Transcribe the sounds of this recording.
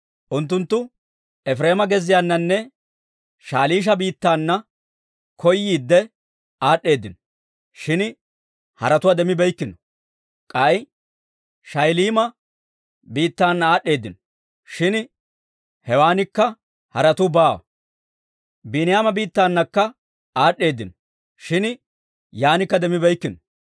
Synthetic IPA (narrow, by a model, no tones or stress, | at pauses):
ʔʊnt̪ːʊnt̪ːʊ | ɛfɪɾe̞ːmɐɡɛzːɪjaːnːɐnːɛ | ʃaːliːʃ̬ɐbiːt̪ːaːnːɐ | kʰɔjːiːd̪ːɛ | aːɗːe̞ːd̪ːɪnɔ̥ | ʃɪn | hɐ̰ɾɐt̪ʊwad̪ɛmɪbɛjkːɪnɔ̥ | kʼɐj | ʃɐjliːmɐ | biːt̪ːaːnːɐaːɗːe̞ːd̪ːɪnɔ | ʃɪn | hɛwaːnɪkːɐ | hɐɾɐt̪ʊbaːwɐ̰ | bɪnɪjaːmɐbiːt̪ːaːnːɐkːɐ | aːɗːe̞ːd̪ɪnɔ | ʃɪn | jaːnɪkːɐd̪ɛmɪbɛjkːɪnɔ